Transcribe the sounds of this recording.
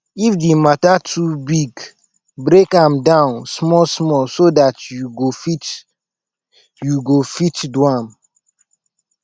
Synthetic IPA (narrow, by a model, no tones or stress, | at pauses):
ifdimatatʰubiɡ | bɾekãmdãʊ̃nsmɔlsmɔlsodatjuɡofit͡ʃ | juɡofitdwãm